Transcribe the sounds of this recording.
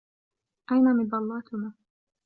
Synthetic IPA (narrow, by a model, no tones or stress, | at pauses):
ʔajnamɪb̪ɑlːɑːt̪ʰʊna